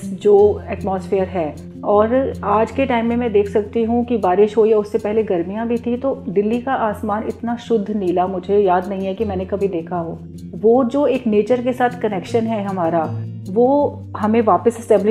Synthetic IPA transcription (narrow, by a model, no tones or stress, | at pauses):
d͡ʒoːɛːʈmɔːsfɪəɾɦɛː | ɔːɾaːd͡ʒkeʈaːɪmːẽmɛ̃d̪eːkʰsɐk̚t̪iɦũkibaːɾɪʃɦoijaʊsːepɛɦleɡɐɾmijãbʱit̪ʰĩt̪oɖ̪ɪlːikaʔaːsmaːnɪ̰t̪naʃʊd̪ʱːniːlamʊd͡ʒʱejaːd̪nɐɦĩɦɛkimɛ̃ːnẽkɐbʱid̪eːkʰaɦoː | ʋoːd͡ʒoːeːkneːt͡ʃəɾkesaːt̪ʰkɐnɛːkʃənɦɛɦɐmaːɾaʋoː | hɐmẽʋaːpəsɛsʈɛ̃ːmblɪ